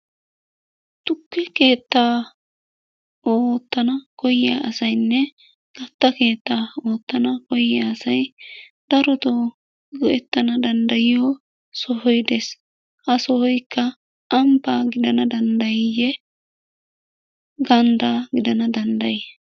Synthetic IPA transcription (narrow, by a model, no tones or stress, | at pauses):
t̪ʊkːɛke̞ːt̪ːaː | oːt̪ːɐnɐkɔja̰ʔɐsɐjnːɛ | ɡ̥ɐt̪ːɐke̞ːt̪ːaːoːt̪ːɐnɐkɔjːaːsɐj | d̪̥ɐɾɔt̪o | ɡɔɛt̪ːɐnɐd̪ɐnd̪ɐjɪjoː | sɔɦɔjd̪es | hɐsɔhɔjkːɐː | mpaːɡɪd̪ɐnɐd̪ɐnd̪ɐjɪjɛ | ɡɐnd̪aːɡɪd̪ɐnɐd̪ɐnd̪ɐje